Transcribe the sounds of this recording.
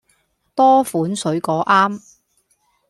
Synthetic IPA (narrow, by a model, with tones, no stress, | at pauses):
t̪ɔː˥fuː˨˥nsɵ˨˥ɥkɔː˨˥ʔaː˥m